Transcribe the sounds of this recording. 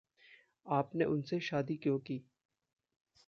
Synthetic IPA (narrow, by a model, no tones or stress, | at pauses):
aːpneʔʊnseʃaːd̪ikjoːkiː